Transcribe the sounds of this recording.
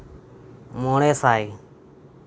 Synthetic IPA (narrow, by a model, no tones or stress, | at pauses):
moːɳeːsaːiː